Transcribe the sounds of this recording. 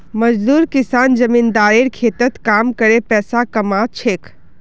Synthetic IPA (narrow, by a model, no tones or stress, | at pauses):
mɐd͡ʒd̪uːɾkɪsaːnd͡ʒɐmĩːnd̪aːɾiɾkʰeːt̪ət̪kaːmkəɾepɛːsakɐmat͡ʃʰeːk